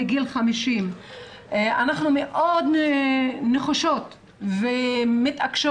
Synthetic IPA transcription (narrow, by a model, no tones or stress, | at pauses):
eɡilχamiʃim | anaχnumeʔod̪ | neχaʃot̪ | vemit̪akʃo